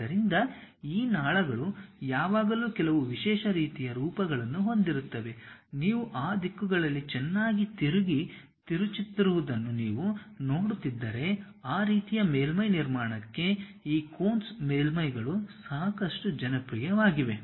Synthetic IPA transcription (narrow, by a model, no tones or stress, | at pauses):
ɐɾind̪ɐiːnaːɭɐɡɐɭujaːʋaːɡɐluːkɛlɐʋuʋiʃɛːʃɐɾiːt̪ijɐɾuːpɐɡɐɭɐnːuɦo̞nd̪iɾut̪ːɐʋe̞niːʋuʔaːd̪ikːuɡɐɭɐlːit͡ʃɛnːaːɡit̪iɾuɡi | t̪iɾut͡ʃit̪ːiɾuʋud̪ɐnːuniːʋuno̞ːɽut̪ːid̪ːɐɾe̞ | aːɾiːt̪ijɐmeːlmɐjniɾmaːɳɐkːe̞iːkoːnsmeːlmɐjɡɐɭusaːkɐʂʈud͡ʒɐnɐpɾijɐʋaːɡiʋe̞